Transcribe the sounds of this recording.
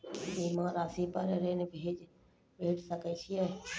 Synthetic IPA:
kimãːɾaːsipəɾɾenbʱeːd͡ʒ | bʱeːʈsəkɛt͡ʃʰijɛ

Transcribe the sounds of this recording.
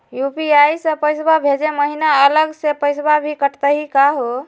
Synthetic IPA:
jupiajsə̃pəjsbabʱed͡ʒeməɦinaələɡsepəjsbabʱikəʈt̪əɦikaɦo

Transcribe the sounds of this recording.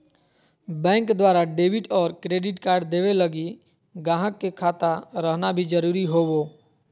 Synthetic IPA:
bɛ̃ːŋkd̪waːɾaɖeːbɪʈɔːɾkɾeːɖɪʈkaːɾɖd̪eːʋeləɡi | ɡãːɦəkːekʰaːt̪aɾəɦnabʱid͡ʒəɾuːɾiɦoːwoː

